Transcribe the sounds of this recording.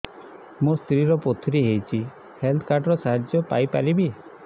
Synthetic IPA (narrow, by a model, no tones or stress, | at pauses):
mũst̪ɾiɾɔpot̪ʰɾiɦejt͡ʃʰi | helt̪ʰkaɾʈɔɾɔsaɦad͡ʒjɔpajpaɾibi